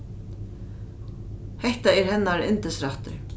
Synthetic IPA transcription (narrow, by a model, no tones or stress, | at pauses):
hɛht̪aɛɾhɛnːaɾɪ̰nt̪ɪsɾaht̪ʏ̰ɾ